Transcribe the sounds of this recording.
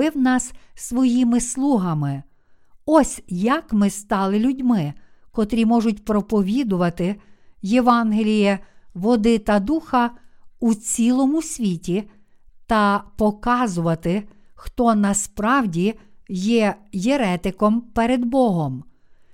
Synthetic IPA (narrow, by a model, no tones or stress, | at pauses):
ɪwnɑssʋɔjimɪslˠuɦɐmɪ | ɔsʲjɐkmɪst̪ɑlˠɪlʲʊdʲmɪkɔt̪ɾʲimɔʒʊtʲpɾɔpɔʋʲid̪ʊʋɐt̪ɪjeʋɑnɦelʲijɛʋɔd̪ɪt̪ɐd̪uxɐut͡sʲilˠɔmʊsʲʋʲitʲi | t̪ɐpɔkɑzʊʋɐt̪ɪ | xt̪ɔnɐspɾɑwdʲijɛjeɾɛt̪ɪkɔmpɛɾed̪bɔɦɔm